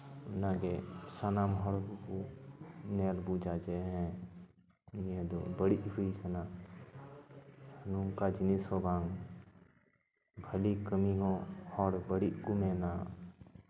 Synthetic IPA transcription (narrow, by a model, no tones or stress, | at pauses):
naɡesanamɦɔɽbuku | neːlbud͡ʒad͡ʒeɦɛ̃ | jẽd̪obəɽiʔɦuikʰɐna | numkad͡ʒɪnisobʱãːŋɡ | bʱəlikəmiɦõhɔɽbəɽiʔkumẽːnaː